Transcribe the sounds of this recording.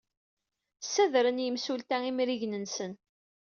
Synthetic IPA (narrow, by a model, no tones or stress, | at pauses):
sːæðɾənjəmsult̪æimɾiʝnənsən